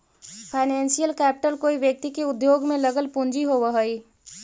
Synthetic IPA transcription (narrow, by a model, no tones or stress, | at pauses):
pʰaːɪnɛ̃ːnsijəlkɛːpɪʈəlkoːiʋjək̚t̪ikeʊd̪joːɡmẽləɡəlpʊ̃nd͡ʒiɦoʋəɦəi